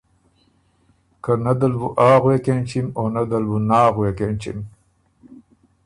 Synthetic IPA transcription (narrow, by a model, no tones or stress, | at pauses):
kanad̪albuʔaːɣwekent͡ʃimonad̪albunaːɣuwekent͡ʃḭm